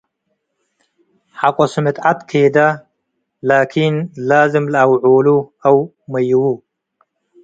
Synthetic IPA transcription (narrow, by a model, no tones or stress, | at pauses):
ħaqʼɔsɨmɨt̪at̪kʰeːd̪a | laːkʰinlaːzɨmlɐwʕoːluɐw | mɐjwu